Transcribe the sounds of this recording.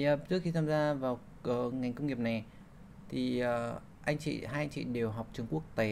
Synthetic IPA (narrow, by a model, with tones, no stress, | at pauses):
aː˨˧˩t͡ɕɨ˦˥ək̚xi˧t̪ʰaː˧mzaː˧vaː˨˩w | ʔəː˨˧˩ŋa˨˩jŋ̟kə˧wŋ͡mŋi˨˩əp̚na˨˩j | t̪ʰi˨˩əː˨˩ | ʔa˧jŋ̟t͡ɕḭ˧˨ɦaː˧ʔa˧ŋt͡ɕḭ˧˨ɗe˨˩wɦa˨˩wk͡p̚t͡ɕɨ˧əŋku˦˥ək̚t̪e˨˦